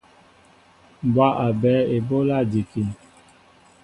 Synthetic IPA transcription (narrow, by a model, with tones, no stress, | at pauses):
bwa˦ʔa˨bɛː˨˦e˨bo˦la˦˨di˨ki˨